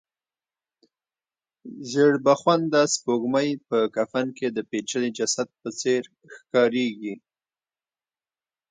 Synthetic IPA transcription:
zəɽbaxwand̪aspoɡməjpəkafanked̪əpet͡ʃəlid͡ʒasad̪̚pət͡seɾ | xkɑɾeɡi

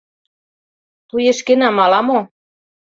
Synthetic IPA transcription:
t̪ujeʃkenɑmɑlɑmo

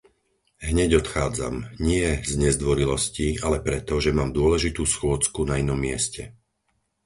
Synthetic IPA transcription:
ɦɲɛɟɔt̪xaːd͡za̰mɲɪɛzɲɛzd̪ʋɔɾilɔscialɛpɾɛt̪ɔʒɛmaːmd̪ʊɔlɛʒit̪uːsxʊɔt͡skunainɔmːɪɛscɛ̰

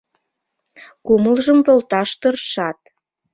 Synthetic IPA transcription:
kuməlʒəmpolt̪ɑʃt̪ərʃɑt̪̚

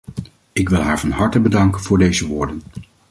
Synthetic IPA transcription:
ɪkʋɪlˠɦaːɹvɑnɦɑɹtəbədɑŋkənvʊːɹdejzəʋʊːɹdən

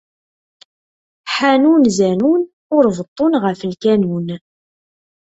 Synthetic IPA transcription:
ħanunzænun | ʊɾvət̪ˤːʊnʁəfəlkænun

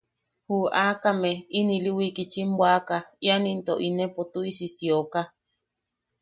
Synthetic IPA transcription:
huakameiniliwikit͡ʃimbwakajanint̪o̰ʔinepot̪uisisioka

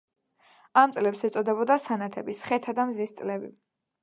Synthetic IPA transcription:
amt̪sʼlɛpsɛt̪sʼɔd̪ɛbɔd̪asanat̪ʰɛbisχɛt̪ʰad̪amzist̪sʼlɛbi

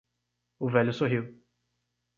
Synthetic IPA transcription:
ʊvɛʎʊsoɦiw

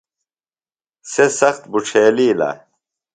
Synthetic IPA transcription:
sesɐxt̪buʈ͡ʂʰeːliːla̰

